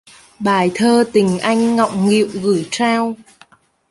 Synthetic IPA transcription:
ɓaː˨˩jt̪ʰəː˧t̪ï˨˩ŋ̟ʔa˧jŋ̟ŋɔ̰˧˨wŋ͡mŋḭ˧˨wɣɨ˧˩jt͡ɕaː˧w

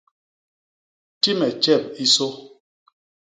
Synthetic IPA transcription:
ti˦mɛ˨t͡ʃɛ˦˨p̚i˦so˦

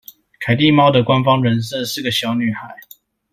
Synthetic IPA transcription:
kʰa˨˩ɪt̪̬i˥˨mɑ˥ʊd̪ə˨kwa˥˦nfɑ˥ŋɻə˧˦ns̬ɤ˥˧sɹ̩˥˩ɡə˨˩ɕjɑ˨˥ʊny˥˩xa˨˩˦ɪ

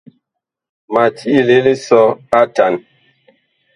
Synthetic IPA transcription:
ma˨tʰi˦ʔi˦le˦le˦sɔ˦a˦ta˨n

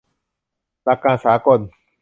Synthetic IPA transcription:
la˧kã˦˨saː˨˦kɔ˦˨d̩˨

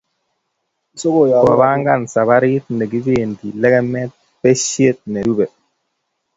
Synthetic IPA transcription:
i˨so˦ko˨jɔ˨ba˨ba˦ŋɡa˦˨nsa˨βa˦ɾi˦t̪̚nɛ˨ɡi˦ve˦˨ndi˨lɛ˦ɡɛ˦mɛ˦t̪̚ | pɛ˦ʃje˦t̪̚nɛ˨ɾu˦bɛ˨t̚

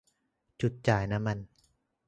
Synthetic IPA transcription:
t͡ɕu˨˩t̪̚t͡ɕaː˨˩jna˦˥ma˧n

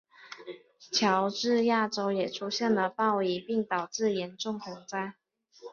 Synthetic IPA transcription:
t͡ɕʰjɑ˧˦˥ʊʈ͡ʂɻ̩˥˧ja˥˩ʈ͡ʂo˧˥ʊjɛ˨˩ʈ͡ʂʰu˥ɕjɛ˥˩nlə˨˩pɑ˥˩ʊi˧˥pi˥˩ŋt̪ɑ˨˩ʊʈ͡ʂɻ̩˥˩jɛ˧˥nʈ͡ʂʊ˥˩ŋxʊ˧˥ŋt͡sa˥˩ɪ

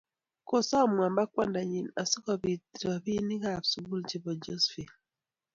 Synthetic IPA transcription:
ko˦sa˦˨mwa˨mba˦kwa˦nda˨ɲi˨na˨sɔ˦kɔ˨βi˨tɾa˨βi˦ni˦ka˨βsu˨bu˦ld͡ʒi˦βɔ˨d͡ʒɔ˦sfi˨

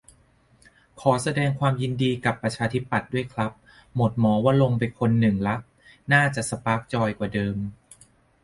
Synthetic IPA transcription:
kʰɔː˩˦sa˧dɛː˧ŋkʰwaː˧mji˧ndiː˧ka˨˩pːɾa˧t͡ɕʰaː˧t̪ʰi˦˥pːa˨˩t̪̚du˥˩əjkʰla˦˥p̚ | mo˨˩t̪̚mɔː˩˦waː˥˩lo˧ŋpa˧jkʰo˧nːɯ˨˩ŋla˦˥ʔ | naː˥˩t͡ɕa˨˩ʔsa˧paː˦˥k̚t͡ɕɔː˧jkwaː˨˩dɤː˧m

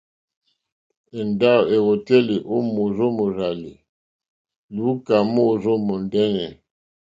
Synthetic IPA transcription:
e˨n˨da˦˨we˨ɣo˨tɛ˦li˨ʔo˦mo˨zo˦mo˨ɾa˨li˨ | lu˨˦ka˨mo˦˨zo˦mo˨n˨dɛ˦nɛ˨

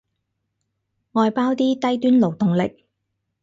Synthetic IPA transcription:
ŋɔː˨˧jpaː˥wt̪iː˥t̪ɐ˥jt̪yː˥nlo˨˩wt̪ʊ˨ŋlɪ˨k̚

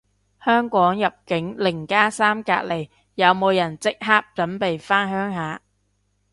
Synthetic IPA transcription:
hœː˥ŋkʷɔː˨˥ŋjɐ˨p̚kɪ˨˥ŋlɪ˨˩ŋkaː˥saː˥mka̰ː˧t̚le˨˩j | jɐ˨˧wmo˨˧wjɐ˨˩nt͡sɪ˥k̚ɦaː˥k̚t͡sɐ˨˥npe˨jfaː˥nhœː˥ŋɦaː˨˧

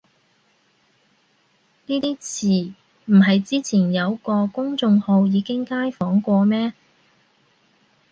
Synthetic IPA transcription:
niː˥t̪iː˥t͡sʰiː˨˩ | m̩˨˩ɦɐ˨jt͡siː˥t͡sʰiː˨˩njɐ˨˧wkɔː˧kʊ˥ŋt͡sʊ˧ŋho˧wjiː˨˧kɪ˥ŋkaː˥jfɔː˨˥ŋkʷɔː˧mɛː˥

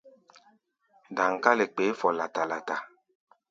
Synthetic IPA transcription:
da˨ŋ̩˨ka˦le˨k͡pe˨˦fɔ˨la˨ta˨la˨ta˨

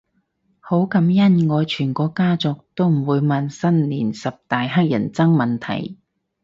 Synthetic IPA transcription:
ho˨˥wkɐ˨˥mjɐ˥nŋɔː˨˧jt͡ʃʰyː˨˩nkɔː˨˧˥kaː˥t͡sɔ˨k̚t̪o˥wm̩˨˩wuː˨˧jmɐ˨nsɐ˥nliː˨˩nsɐ˨p̚t̪aː˨jɦaː˥k̚jɐ̰˨˩nt͡sɐ˥ŋmɐ˨nt̪ʰɐ̰˨˩j

